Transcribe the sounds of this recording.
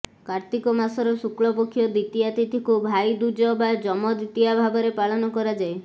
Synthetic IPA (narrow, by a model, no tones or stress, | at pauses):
kaɾt̪ikɔmasɔɾɔsukɭɔpokʰjɔd̪it̪ijat̪it̪ʰikubʱajd̪ud͡ʒɔbad͡ʒɔmɔd̪it̪ijabʱabɔɾepaɭɔnɔkɔɾad͡ʒae